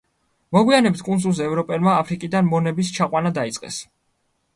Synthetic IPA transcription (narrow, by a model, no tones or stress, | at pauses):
mɔɡwianɛbit̪̚ʰkʼunzulˠzɛːvɾɔpʼɛlˠmaːpʰɾikʼid̪anmɔnɛbist͡ʃʰaqʼwanad̪ait̪sʼqʼɛ̰s